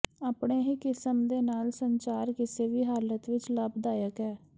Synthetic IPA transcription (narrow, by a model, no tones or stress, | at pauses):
aːpɳeːɦiːkɪsəmd̪eːnaːlsəɲt͡ʃaːɾkɪseːʋiːɦaːlət̪ʋɪt͡ʃləbd̪aːjəkɛː